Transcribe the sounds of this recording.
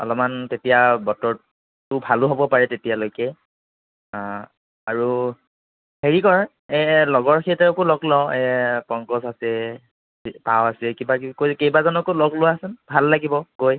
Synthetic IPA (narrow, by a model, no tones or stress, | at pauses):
ɔ̰lɔmantetijabɔtɔɹ | tʊbʱalʊɦobɔpaɹɛtetijalojkɛ | a | aɹu | heɹikɔɹ | ɛlɔɡɔɹkʰitɛɹɔkʊlɔɡlɔɛpɔŋkɔsasɛ | pawasɛkibakkojkejbazɔnɔkolɔɡlʊaasɛnbʱalːaɡibɔkoj